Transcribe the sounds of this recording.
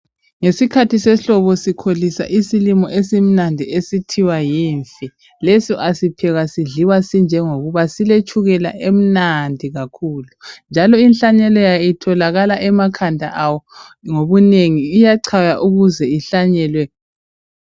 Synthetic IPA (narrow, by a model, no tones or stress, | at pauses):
ŋesikʰatisɛɬɔβɔsikʰolisa̰ʔisilimɔʔesim̩nandʱiesitʰiwajiɱfi | lesiʔasipʰɛɣasiɮiwasind͡ʒʱɛŋoɣuβasilet͡ʃʰʼuɣɛla̰ʔem̩nandʱiɣakʰuːlund͡ʒʱalɔinɬaɲɛlɔjaitʰɔlaɣalaʔɛmakʰandʱa̰ʔawɔŋoβuneŋiːjaǀʰajaʔuɣuzɛiɬaɲɛːlwɛ